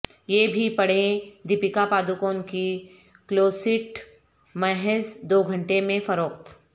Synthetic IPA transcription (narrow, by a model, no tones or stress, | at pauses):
jeːbʱipɐɽ̤ẽd̪ɪpɪkapaːd̪ukõnki | kloːsɪʈ | mɛɦɛzd̪oːɡʱɐ̃ɳʈemẽfɐɾoːqt̪